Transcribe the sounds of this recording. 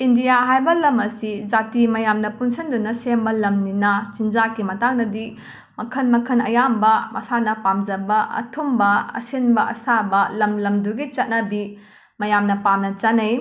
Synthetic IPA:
indijaɦajbɐlɐmɐsid͡ʒatimɐjamnɐpunsɐndunɐsembɐlɐmninɐt͡ʃind͡ʒakimɐtaŋnɐdi | mɐkʰɐnmɐkʰɐnɐjambɐmʔɐsanɐpamd͡ʒɐbɐɐ̰tʰombɐɐ̰senbɐʔɐ̰sabɐlɐmlɐmduɡit͡ʃɐt̚nɐbi | mɐjamnɐpamnɐt͡ʃɐnɐj

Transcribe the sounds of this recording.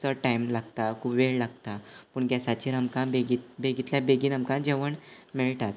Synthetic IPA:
t͡səʈaimlaɡt̪akʰuːpʋeɭlaɡt̪apuːɳɡjasat͡ɕiɾəmkãbeɡit̪beɡit̪ljabeɡiːnəmkãd͡ʑeʋəɳmiɭʈat̪

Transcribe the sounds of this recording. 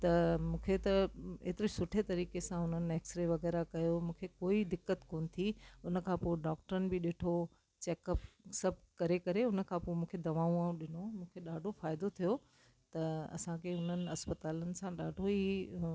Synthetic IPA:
t̪ɐmũːkʰet̪ɐḛːt̪ɪɾesʊʈʰet̪ɐɾiːkesãʊn̤ənɪ̆ɛːksɾeʋɐɣɛːɾakɐjomũːkʰekoːid̪ɪkːət̪koːnɪ̆t̪ʰiʊnə̆kʰãːpoːeɖaːk̚ʈəɾənɪ̆bɪɗɪːʈʰo | t͡ɕɛːkəpsɐbʱkɐɾekɐɾeʊnə̆kʰãpoːemũːkʰed̪ɐʋaːũaːũɗɪnomũːkʰeɗaːɖʱofaːɪd̪ot̪ʰijo | t̪ɐɐ̰sãkʰeʊn̤ənɪ̆ɐspət̪aːlənɪ̆sãɗaːɖʱoi

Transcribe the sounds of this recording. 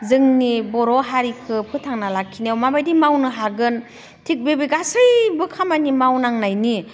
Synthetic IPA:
zɯŋnibɔɾɔɦaɾikʰɯpʰɯtʰaŋnalakʰːinawmabajdimawnɯɦaɡɯn | tʰik̚bebiɡasɯjbɯkʰamanimawnaŋnajni

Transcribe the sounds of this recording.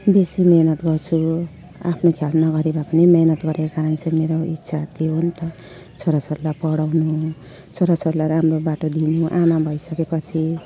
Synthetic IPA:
besimenʌt̪ɡʌrt͡sʰu | apʰnokʰjalnʌɡʌɾibʱapʌnimjenʌt̪ɡʌɾekakaɾʌnsʰemeɾoḭtːsʰat̪ioɦont̪ʌ | t͡sʰoɾat͡sʰoɾlapʌɽawnu | t͡sʰoɾat͡sʰoɾlaɾamrobaʈod̪inuʔanabʱʌjsʌkepʌt͡sʰi

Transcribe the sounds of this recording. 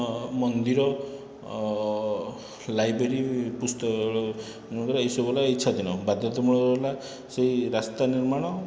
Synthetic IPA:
mɔnd̪iɾɔ | lajbɾeɾipust̪ɔ | ũɡ̪ɾaisobɔlaitːt͡ʃʰad̪iñɔbad̪jɔt̪ɔmuɭ̃ɔla | seɦiɾast̪aniɾmaɽ̃ɔ

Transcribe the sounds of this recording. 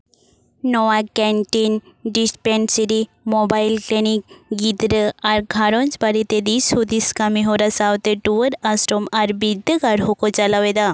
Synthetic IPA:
nɔʋakɛ̃ɳʈinɖispeɳʈsiɾi | mɔbajlklinik̚ɡid̪ɾəaɾɡʱaɾɔ̃nt͡sbaɾit̪ed̪ishud̪iskamiɦɔɾasawt̪eʈuʋəɾasʈomaɾbid̪əɡaɾɦokɔt͡ʃalaʋed̪a

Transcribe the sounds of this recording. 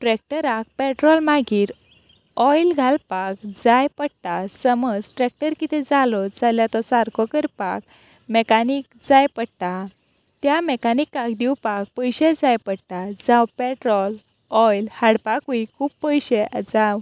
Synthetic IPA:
ʈɾɛk̚ʈəɾak̚pɛʈɾɔlmaɡiːɾ | ɔjlɡʱalpakd͡zajpəɽt̪asəməd͡zʈɾɛk̚ʈəɾkit̪ʰɛd͡zalɔd͡zaljat̪ɔsaɾkʰɔkəɾpa̰k̚ | mɛkanik̚d͡zajpəɽt̪a | t̪jamɛkanikːakd̪iwpak̚pəjɕɛd͡zajpəɽt̪ad͡zãwpɛʈɾɔl | ɔjlhaɽpakuikʰuːbpːəjɕɛd͡zaw

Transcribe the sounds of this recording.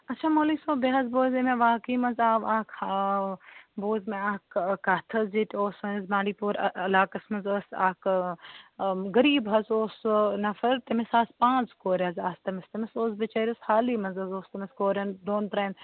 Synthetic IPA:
ɐtːt͡ʃʰaːmoːliːksõːbeɦɐzboːzemẽʋaːkiːmɐnzaːʋaːkha | boːzmẽaːkkat̪ʰɐzd͡ʒit̪oːsonɪzmaːɳɖiːpuːɾɐlaːkɐsmɐzoːsaːk | ɡɐɾiːbɦɐzoːsnɐfɐɾt̪ɐmɪsaːspãːzkoːɾʲɐzaːst̪ɐmɪst̪ɐmɪsoːsbɐt͡ʃɐːɾɐshaːliːmɐzɐzoːst̪ɐmɪskoːɾɐnd̪oːnt̪ɾɐn

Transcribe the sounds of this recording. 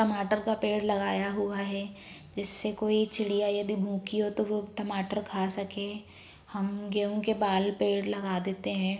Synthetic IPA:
ʈɐmaːʈəɾkapeːɽlɐɡaːjaɦuaɦɛː | d͡ʒɪsːekoːit͡ʃɪlijajɐd̪ibʱũːkiɦot̪oʋoʈɐmaːʈəɾkʰaːsɐke | hɐmɡeːũkebaːlpeːɽlɐɡaːd̪eːt̪eɦɛ̃ː

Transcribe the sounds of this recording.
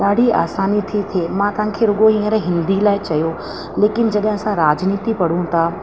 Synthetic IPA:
ɗaːɽ̤ia̰ːsaːnit̪ʰit̪ʰeːmãt̪ɐɦãkʰeɾʊɠoɦĩːə̃ɾɦɪ̃nd̪ilaːɪt͡ɕɐjo | leːkɪn̆d͡ʑɐɗɦɪ̃ɐsãɾaːd͡ʑniːt̪ipɐɽ̤ũt̪ʰa

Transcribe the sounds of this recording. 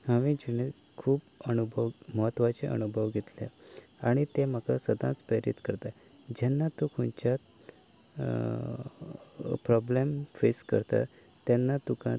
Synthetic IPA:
haʋĩd͡ʑiñe | kʰuːbənubʱəʋməɦət̪ːʋat͡ɕẽʔə̰nubʱəʋɡʱet̪ljã̰aɽ̃it̪em̤əkasəd̪ãt͡spəɾḭt̪kəɾt̪a | d͡ʑɛnːat̪ukʰunt͡ɕjat̪ | pɾɔblemfeskə̰ɾt̪a̰ | t̪ɛnːat̪ukã̰

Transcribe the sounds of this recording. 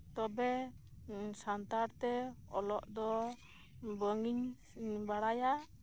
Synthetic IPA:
t̪ɔbɛ | sant̪aɾt̪ɛɔlɔʔd̪ɔ | bəŋiɲ | baɽaja

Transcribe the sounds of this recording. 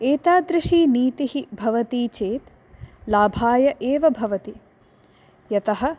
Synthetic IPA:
eːt̪aːd̪ɾɪʂiːniːt̪iɦibʱɐʋɐt̪iːt͡ʃeːt̪ | laːbʱaːjɐʔeːʋɐbʱɐʋɐt̪i | jɐt̪ɐɦɐ̆

